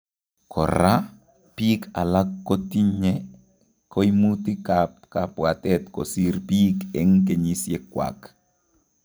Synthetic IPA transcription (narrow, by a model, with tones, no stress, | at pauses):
kʰɔ̰˨ɾa˦ | pi˦kʰa̰˨la˦kːo˦ti˦ɲɛ˦ | ko˦i˦mu˦ti˦kapka˨pwa˨tɛ˦t̪kɔ̰˨si˦ɾpi˦kɛ˨˦ŋk̬e˨ɲi˦sje˦kwa̰˨k